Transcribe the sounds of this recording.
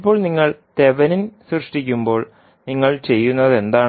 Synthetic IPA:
pːo̞ːɭniŋːɐɭt̪e̞ʋɐninsrɨʂʈik̬ʲːumbo̞ːɭ | niŋːɐɭt͡ɕe̞jːunːɐðe̞nd̪aː

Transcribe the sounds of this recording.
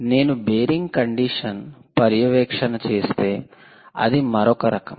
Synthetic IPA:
ne̞ːnubeːɾiŋɡkɐɳɖiːʂɐnpɐɾjɐʋɛːkʂɐnɐt͡ʃe̞ːst̪e̞ː | ɐ̰d̪imɐɾɔkɐɾɐkɐm

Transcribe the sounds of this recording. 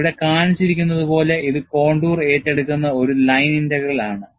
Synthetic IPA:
iɽe̞kaːɳit͡ɕːiɾikʲːunːɐðupo̞ːle̞ʔiðɨko̞ːɳɖuːre̞ːtːeɽukʲːunːɐo̞ɾulɐjnindeɣɐɭaːɳɨ

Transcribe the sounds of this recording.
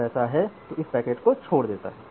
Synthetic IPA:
ɛːsaɦɛt̪oɪspɛːkeːʈkot͡ʃʰoːɽd̪eːt̪a̰ɦɛː

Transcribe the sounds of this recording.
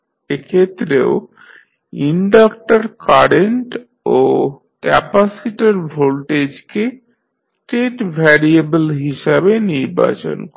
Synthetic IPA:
ekʰet̪ːɾeo | iɳɖakʈaɾkaɾeɳʈ | o | kɛpasiʈaɾbʱolʈed͡ʑke | sʈeʈbʱɛɾiebəlɦiʃabeniɾba̰t͡ɕo̰nk

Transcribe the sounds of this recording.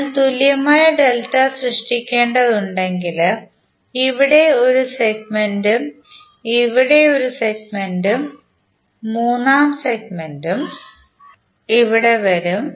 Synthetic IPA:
ɭt̪uljɐmaːjɐɖe̞ltːɐsrɨʂʈikʲːe̞ːɳɖɐðuɳɖe̞ŋɡil | iʋiɽe̞o̞ɾuseɡmendum | iʋiɽe̞o̞ɾuseɡmendumː | uːnːaːmseɡmendum | iʋiɽe̞ʋɐɾum

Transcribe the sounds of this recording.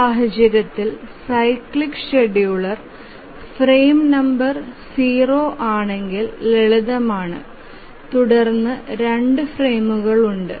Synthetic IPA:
aːɦɐd͡ʑjɐɾɐt̪ːilsɐjkɭikʂeɖijuɭɐr | freːmnɐmbɐrsiːro̞ːʔaːɳe̞ŋɡilleɭuðɐmaːɳɨ̰ | t̪uɽɐrnːɨɾe̞ɳɖɨfre̞ːmuɣɐɭuɳɖɨ̰

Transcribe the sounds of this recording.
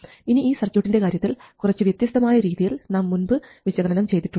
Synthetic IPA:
iniiːsɐrt͡ɕːoːʈːinde̞kaːɾjɐt̪ːilkurɐt͡ɕːɨʋjɐt̪jɐst̪ɐmaːjɐɾiːðijilnaːmːunbɨʋiɕɐɣɐnɐnɐmt͡ɕe̞jt̪iʈːuɳ

